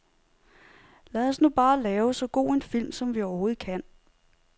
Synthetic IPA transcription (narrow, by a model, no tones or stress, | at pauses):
læðˠɒ̽snub̥ɑ̈ːlɛːʊsɒ̽ɡ̥o̝̰ːe̝nfil̰msɒ̽mʋiɒʊɐho̝ːð̩ˠkʰæn̰